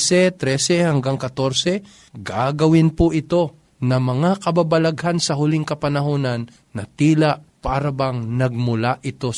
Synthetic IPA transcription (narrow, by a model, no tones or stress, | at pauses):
sɛt̪ɾɛsɛhɐŋɡaŋkɐt̪o̞ɾsɛ | ɡaːɡɐwɪnpʊʔɪt̪o̞ | nɐmɐŋakɐbabɐlɐɡhansɐɦʊlɪŋkɐpɐnɐɦoːnɐnː | ɐt̪iːlaʔ | paːɾɐbɐŋnɐɡ̚mʊlaʔɪt̪o̞